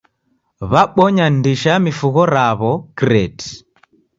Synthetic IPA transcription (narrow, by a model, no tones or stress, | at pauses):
βaɓɔɲandiʃamifuɣɔɾaβɔkɾɛti̥